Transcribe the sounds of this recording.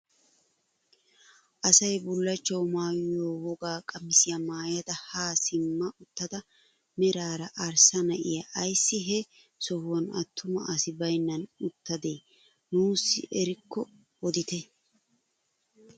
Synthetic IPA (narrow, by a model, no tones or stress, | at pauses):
ʔɐsɐjbʊlːɐt͡ʃːɐwmaːjjoːwɔɡaːkʼɐmɪsɪjɐmaːjɐd̪ɐhaːsɪmːɐʔʊt̪ːɐd̪ɐ | mɛɾaːɾɐʔɐɾsɐnɐʔɪjɐʔːjsːɪɦɛ | sɔhʊwɐnɐt̪ʰːʊmɐʔɐsɪbɐjnːɐnʊt̪ːɐd̪eː | nuːsːɪ̰ʔɛɾɪkːɔ | wɔd̪ɪt̪ɛ